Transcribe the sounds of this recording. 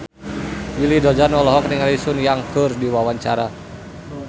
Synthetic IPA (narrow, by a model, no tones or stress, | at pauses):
wilidɔd͡ʒanɔlɔɦɔkniŋalisʊnjaŋkərdiwawaɲt͡ʃaɾa